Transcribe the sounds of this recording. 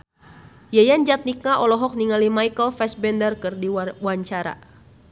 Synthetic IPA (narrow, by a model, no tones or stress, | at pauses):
jajand͡ʒat̪̚nik̚naʔɔlɔɦɔk̚niŋalimajkəlfɛsbɛndərkɨrdiwaɲt͡ʃaɾa̰